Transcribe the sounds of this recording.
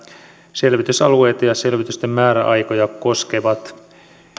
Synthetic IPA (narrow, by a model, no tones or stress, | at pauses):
se̞lʋit̪ysɑlue̞jt̪ɑjɑse̞lʋit̪yst̪e̞mːæːɾæ̰ʔɑjko̞jɑko̞ske̞ʋɑt̪